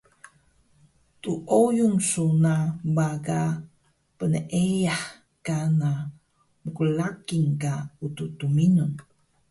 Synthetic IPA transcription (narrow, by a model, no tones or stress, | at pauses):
tuʔojumsunabaɡa | pənəʔejaħ | kana | məkulakiŋkaututuminun